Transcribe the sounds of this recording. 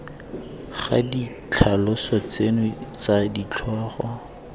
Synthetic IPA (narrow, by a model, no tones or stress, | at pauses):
χa̰di | t͡ɬʰalʊsɔt͡senʊt͡sadit͡ɬʰɔːχɔ